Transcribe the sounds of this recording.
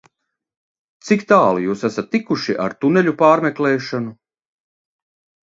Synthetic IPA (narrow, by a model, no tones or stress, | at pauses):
t̪sikt̪aːlˠijuːsæsat̪ːikuʃiʔa̰ɾt̪unɛlʲupaːɾmʲɛklɛːʃanu